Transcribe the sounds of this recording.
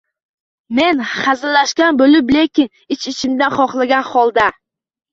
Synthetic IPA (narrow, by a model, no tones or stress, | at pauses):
me̞nχazɪlaʃkʲanbolɪplekʲɪn | ɪt͡ʃɪt͡ʃʰɪmd̪anχɒχlˠaɡʲanχɒlˠd̪a